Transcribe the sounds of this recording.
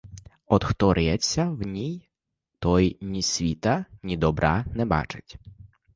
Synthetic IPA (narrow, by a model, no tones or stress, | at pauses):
ɔd̪xt̪ɔɾɪjɛt͡sʲːɐwnʲij | t̪ɔjnʲisʲʋʲit̪ɐnʲid̪ɔbɾʔɑnɛbɑ̰t͡ʃɪ̥tʲ